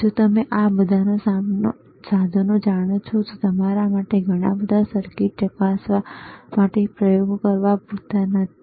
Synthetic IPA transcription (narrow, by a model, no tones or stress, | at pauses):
d͡ʒot̪əmeʔabəd̪ʱanosa | sad̪ʱonũd͡ʒaɽ̃ot͡ʃʰot̪ot̪əmaɾamaʈeɡʱəɽ̃a̰bəd̪ʱasəɾkiʈ̚t͡ʃəkasʋamaʈepɾəjoɡkəɾʋabut̪anət̪ʰi